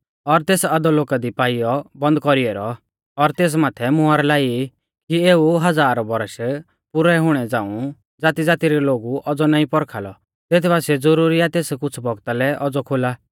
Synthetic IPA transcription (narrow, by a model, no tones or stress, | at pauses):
ɔɾt̪eːsad̪ɔloːkad̪ipaːijɔbɐ̃nd̪̚kɔɾiɛɾɔ | ɔɾt̪eːs̬maːt̪ʰɛmʊaːɾlaːi | kieːuɦɐd͡zaːɾɔbɔɾʃ | pʊɾɛɦʊɽ̃ɛd͡zãːũ | d͡zaːt̪id͡zaːt̪iɾɛloːɡuʔɔd͡zɔnaːĩpɔɾkʰalɔ̰ | t̪eːt̪ʰɛbasɛd͡zɔɾuːɾiat̪eːskʊt͡sʰbɔɡt̪alɛʔɔd͡zɔkʰolaː